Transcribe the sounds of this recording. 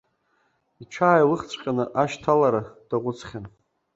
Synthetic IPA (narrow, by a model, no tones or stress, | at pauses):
iʈ͡ʂʷʰaːjlɨχt͡sʷʼqʲʼanɨʔaʃtʰalaɾad̥aʁʷʊt͡sʰχʲan